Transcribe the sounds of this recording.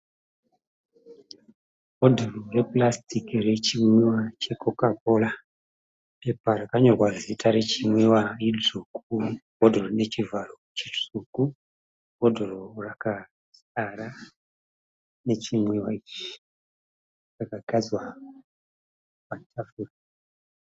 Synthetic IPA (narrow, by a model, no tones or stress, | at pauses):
odʱororeplastikire̞t͡ʃimwewat͡ʃe̞kokapola | pe̞paɾakaɲorwazitaɾe̞t͡ʃimwewaid͡zukuɡʱodʱoronet͡ʃivaro | t͡ʃid͡zuku | ɦodʱoɾoraka | s | aɾa | ne̞t͡ʃimwewait͡ʃi̥ | rakaɡʱazwa | patʰafuːra